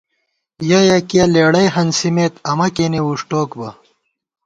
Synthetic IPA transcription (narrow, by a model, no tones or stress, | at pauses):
jɐjɐkijɐleːɽɐjɦɐnsimeːt̪ɐmɐkeniwuʂʈoːkbɐ